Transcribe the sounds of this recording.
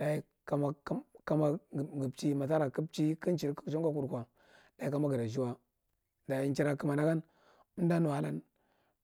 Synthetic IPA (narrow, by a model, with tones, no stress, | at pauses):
da˨i˦ | ka˨ma˨˦ka˦ma˦˨ɡi˨pt͡ʃi˦ma˨ta˦ɾa˨ki˦p̚t͡ʃi˦ki˦n˦t͡ʃi˨ɾt͡ʃo˦ŋka˦k̬u˨ɾkʷa˨ | da˨i˦ka˦ma˦ɡi˨ɾa˨d͡ʒi˦wa˦ | da˨i˨˦nt͡ʃi˦ɾa˨˦ki˦ma˨na˦ɡa˦n˦ | da˦nu˨a˦la˦n